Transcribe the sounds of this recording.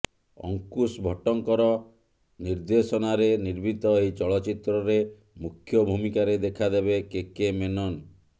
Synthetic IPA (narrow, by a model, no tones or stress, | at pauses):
ɔ̰ŋkusbʱɔʈɔŋkɔɾɔ | niɾd̪esɔnaɾeniɾbit̪ɔejt͡ʃɔɭɔt͡ʃit̪ɾɔɾe | mukʰjɔbʱumikaɾed̪ekʰad̪ebekekemenɔn